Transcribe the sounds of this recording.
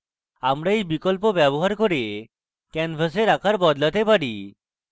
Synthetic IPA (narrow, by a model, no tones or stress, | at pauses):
amɾaijbikɔlpɔbjɛbɔɦaɾkɔɾie | kɛnpʰəs̬eɾakʰaɾbɔd̪lət̪epaɽi